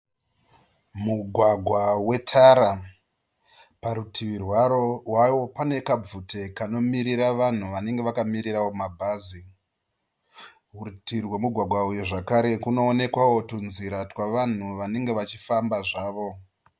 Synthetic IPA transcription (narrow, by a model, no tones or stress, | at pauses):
muɡʱwaɡʱwawe̞tʰaɾa | paɾutʰiʋirwaɾo̞ɦwawo̞pane̞kab͡vute̞kano̞miɾiɾaʋan̤uʋane̞ŋɡe̞ʋakamiɾirawo̞mabʱaːzi | ɦurtirwemuɡʱwaɡʱwaujuʐakaɾe̞kuno̞ːne̞kwawo̞tunziɾatwaʋan̤uʋane̞ŋɡe̞ʋat͡ʃifambaʐaːʋo̞